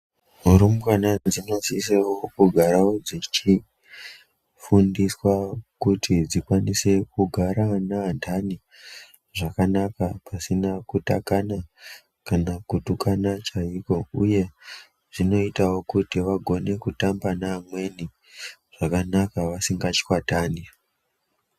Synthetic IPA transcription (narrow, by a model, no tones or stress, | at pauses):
ɦuɾumanad͡zino̞sisewokuɡʱaɾawo̞d͡zit͡ʃi | fundiswakutʰid͡zikwanise̞kuɡʱaɾanaːntʰani | ʐakanakapasinakutakana | kanakutukʰanat͡ʃaiko̞uje̞ | ʐino̞itawo̞kutiʋaɡʱo̞ne̞kutambanamwe̞ni | ʐ̥akanakaʋasiŋɡat͡ʃi̥kwataːni